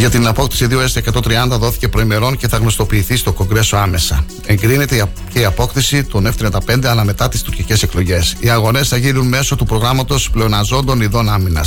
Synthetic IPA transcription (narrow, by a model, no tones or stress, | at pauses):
ʝɐt̪inɐpo̞kt̪i̥siðio̞est̪eːkɐt̪o̞nt̪ɾiɐnd̪ɐðo̞θi̥ce̞pɾo̞ime̞ɾo̞nce̞θɐɣno̞st̪o̞piːθist̪o̞ko̞ŋɡɾe̞so̞ɐme̞sɐ | e̞ŋɡɾine̞t̪e | ce̞iɐpo̞kt̪isit̪o̞neft̪ɾiɐnd̪ɐpe̞nd̪e̞ɐlɐme̞t̪ɐt̪ist̪uɾcice̞se̞klo̞ʝe̞siɐɣo̞ne̞sθɐʝinunme̞so̞t̪upɾo̞ɣɾɐmɐt̪o̞sple̞onɐzo̞nd̪o̞niðo̞nɐminɐ̰s